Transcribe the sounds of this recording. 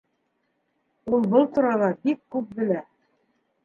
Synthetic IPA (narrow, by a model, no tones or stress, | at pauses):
ulˠbɤlˠt̪uɾɑlˠɑbikːʉp̚bɘ̆læ